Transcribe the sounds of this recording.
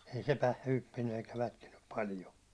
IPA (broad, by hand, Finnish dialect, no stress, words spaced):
ei se pæ hypːinːy eikæ lætkinːyp pɑlijo